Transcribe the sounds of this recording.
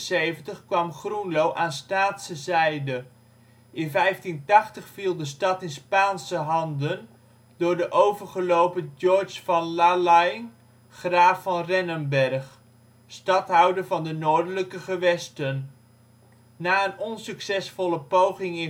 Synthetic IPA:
sejvəntəχkʋɑmχrunlowʔaːnstaːtsəzɛjdə | ʔɪnvɛjftintɑχtəχfilˠdəstɑtɪnspaːnsəɦɑndən | dʊːɹdəʔowvəɹχəlowpəd͡ʒɔɹsfɑnlalajn | χraːfɑnrɛnənbɛrχ | stɑtɦʌwdəɹvɑndənoːɹdələkəχəʋɛstən | naːənɔnsyksɛsfɔlˠəpowχɪŋɪ

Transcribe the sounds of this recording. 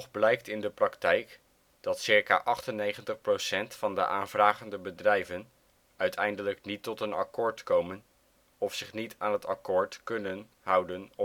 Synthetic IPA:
ɔχblɛjk̚tɪndəprɑktɛjk | d̥ɑtsɪɹka̰ːʔɑχtənejχəntəχprosɛntfɑndə̰ʔaːnvraːχəndəbədrɛjvən | œɥtʰɛjndələknitɔtənɑ̰kɔːɹtkowmən | ɔfsɪχnitʰaːnɦətɑkʊːɹtkɵnən | ɦʌwdənɔ

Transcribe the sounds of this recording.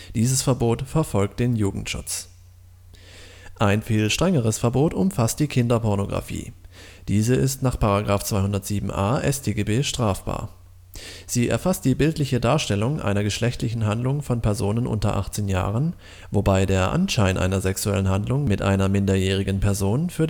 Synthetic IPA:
d̥iːzəsfɛɐboːtfɛɐfɔlk̚t̚d̥eːnjuːɡŋ̩tʃʊ̰t͡s | ʔaɪnfiːlʃtʁ̥ɛŋəʁ̞əsfɛɐboːtʊmfastd̥iːkʰɪndɐpɔɐnoɡʁa̰fḭː | d̥iːzəʔɪstnaːχpaʁaɡʁaːft͡sv̥aɪhʊndɐtz̥iːbm̩ʔaːʔɛstʰeːɡebeːʃtʁ̥aːfb̥a̰ːɐ | z̥iːʔɛ̰ɐfast̚d̥iːbɪltlɪçədaːɐʃtɛlʊŋʔa̰ɪnɐɡəʃlɛçtlɪçn̩ɦandlʊŋfɔnpʰɛɐzoːnənʔʊ̰ntɐ̰ʔa̰χt͡seːnja̰ːʁ̞ən | vobaɪdeːɐʔa̰nʃaɪnʔa̰ɪnɐzɛksuɛ̰lənhandlʊŋmɪtʔa̰ɪnɐmɪndɐjɛːʁ̞ɪɡən̩pʰɛɐzoːnfyːɐ

